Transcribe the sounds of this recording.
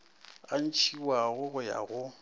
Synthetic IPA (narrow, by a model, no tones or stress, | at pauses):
an̩t͡ʃʰiwaɣʊɣʊja̰ɣʊ